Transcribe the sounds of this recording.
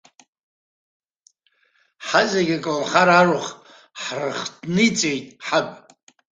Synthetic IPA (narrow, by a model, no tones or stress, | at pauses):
ħazaɡʲakʼɨlχaɾarɨχ | ħrɨχdnit͡sʼejtʼħapʼ